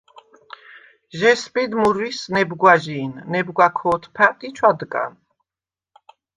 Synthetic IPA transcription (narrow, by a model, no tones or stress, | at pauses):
ʒɛspʼid̪muɾwisnɛbɡwaʒiːnːɛbɡwakʰɔːt̪ʰpʰat̪ʼit͡ʃʰwad̪ɡʼa̰n